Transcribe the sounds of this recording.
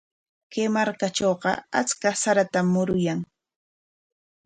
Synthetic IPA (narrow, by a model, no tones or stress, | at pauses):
kemaɾkaʈ͡ʂoːɢɑ̰a̰t͡skasaɾat̪amːʊɾʊjaŋ